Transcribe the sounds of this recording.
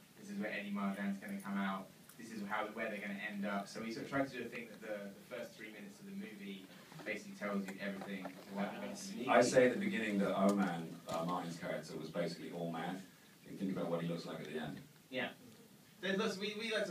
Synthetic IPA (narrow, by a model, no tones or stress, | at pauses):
ðɪsɨzwə˞ʔɛnimɑɹd͡ʒæ̃nzɡʌnɨkʰʌ̃maʊt̪̚ | ðɪsɨzɦaʊwɛðə˞ɡʌnɨʔɛ̃ndʌpsoʊwisɔɾtʰɹ̥aɪtʰɨdɨɨθɪ̃ŋk̚ðɨʔ̪̚ðəðəfɜˑ˞sθɹimɪ̃nɨtsʌvðɨmʉvi | b̥eɪsɪ̥klitʰɛlˠzjʉʔɛvɹiθɪ̃ŋəwaɪbsaɪseɪɨtʔ̪̚ðəbɨɡɪ̃nɪ̃ŋðəəʊmæ̃nʌ̰mɑˑʔɪ̃nz̥kʰæɹɪ̰k̚təwʌzbeɪsɪ̥kliʔɔlˠmæ̃n | kɪ̰̃nθɪ̃ŋkəbaʊʔ̚wʌt̚hilʊkslaɪkɨt̪̚ðḭɛ̰̃nd̥ | jæ | zlʌswiwilat